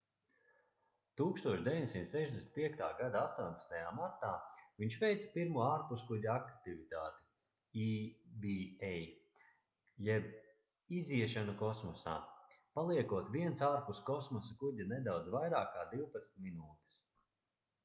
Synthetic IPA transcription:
t̪uːkst̪uɔʃd̪ʲeviɲʲd̪ʲesint̪sɛʒd̪ʲesnit̪piɛk̚t̪a̰ːɡad̪aast̪uɔnʲpḁst̪ajaːmaɾt̪aːviɲʃvɛjt̪spiɾmuɔaːɾpuskuɟʲaakt̪ivit̪aːt̪i | ibiɛj | jɛb | iziɛʃanukɔsmɔsa̰ː | palˠiɛkuɔt̪viɛnsaːɾpuskɔsmɔsakuɟʲanɛd̪awd̪zvajɾaːkːaːd̪iwpat̪snʲt̪ʲminuːt̪i̥s

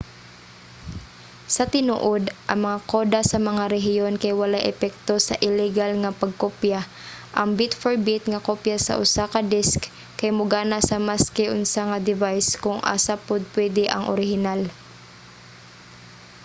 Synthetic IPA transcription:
sɐt̪ɪnṵːʔod̪ʔɐŋmɐŋakoːd̪asɐmɐŋaɾɛɦɪjonkajwɐlajʔɛpɛk̚t̪osɐ̰ʔɪlɛɡalŋɐpɐɡ̚kopja | ʔɐŋbɪt̪foɹbɪt̪̚ŋɐkopjasɐ̰ʔʊ̰sakɐd̪ɪsk | kɐjmʊɡaːnasɐmaskɪʔʊnsaŋɐd̪ɪvajskʊŋʔa̰sapʊd̪̚pwɛd̪ɪʔɐ̰ŋʔo̰ɾɪhɪnal

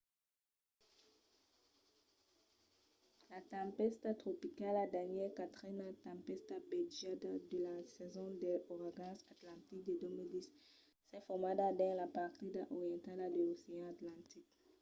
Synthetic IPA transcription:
lat̪ɑ̃pɛst̪at̪χopikaladaɲekat̪ʁinat̪ɑ̃mpɛst̪abɛd͡ʒad̪ad̪əlasɛzɔ̃d̪eoʁaɡɑ̃sat̪lɑ̃t̪ik̚d̪ed̪ømild̪is | sɛfɔmad̪ad̪ɛ̃lapaʁt̪id̪aʔɔʁijɑ̃nt̪alad̪eoseɑ̃at̪lɑ̃t̪ik

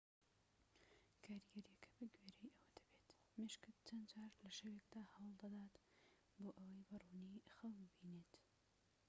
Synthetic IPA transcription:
kʰaːɾiɡɐɾjɛkʰɐ̥bɨɡweɾejʔɐwɐd̪ɐbet̪ | meʃkɨd̪t͡ʃɐnd͡ʒaːɾlɐʃɐwekd̪aːhɐwlˠd̪ɐd̪aːt̪ | boːʔɐwɐjbɨrunixɐwmbiːneːt̪

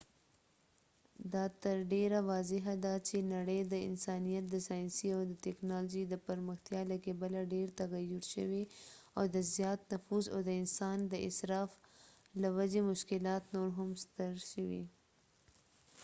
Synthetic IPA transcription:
d̪ɑt̪əɾɖeɾawɑzɪɦad̪at͡ʃenaɽəjd̪əɪ̰nsɑnijat̪̚d̪əsɑjnsiawd̪ət̪ɛknɑlod͡ʒid̪əpaɾməxt̪jɑlakebalaɖeɾt̪aɣajʊɾʃə̰weawd̪əzjɑt̪nafuza̰wd̪əɪnsɑnd̪əɪ̰sɾɑf | lawad͡ʒemʊʃkɪlɑt̪noɾɦʊmst̪əɾʃəwḭ

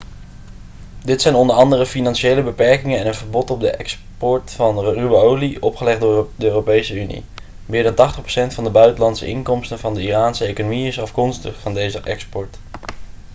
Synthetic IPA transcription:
dɪtsɛjnɔndəɹɑndərəfinɑnʃejləbəpɛɹkɪŋənɛnənvəɹbɔtɔb̚dəʔɛks | pɔɹtfɑnrybowliɔpχəlɛχddəøːropejsəynḭ | mɪːɹdɑntɑχtəχpro̥sɛntfɑndəbœɥtəlɑntsə̰ɪŋkɔmstənvɑndəiraːnsəejkonomiɪsɑfkɔnstəχfɑndejzəʔɛkspɔɹt

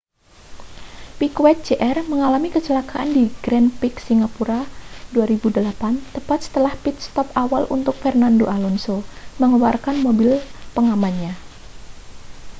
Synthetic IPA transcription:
pikwɛt̪̚d͡ʒeʔɛrməŋalamikət͡ʃəlakaʔandiɡɾɛnpɪksiŋapuɾaduaɾibudəlapant̪əpat̪̚sə̥t̪əlahpit̪̚st̪ɔpawalʔṵnt̪ʊk̚fɛrnandoʔalɔnsoməŋuwarkanmobɪlpəŋamanɲa

